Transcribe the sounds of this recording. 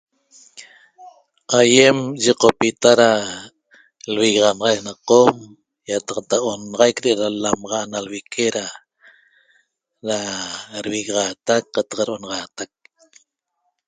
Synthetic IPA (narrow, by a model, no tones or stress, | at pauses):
ʔajemʒiqopit̪aɾa | lβiɣʁɑnʁɑjknaqom | jat̪ɑqt̪aʔomnʁɑjkɾeʔeɾalamʁɑʔnalβikʰeɾa | ɾaɾβiɣʁɑt̪ak̚qɑt̪ɑ̥qɾʔonɑʁɑt̪ak̚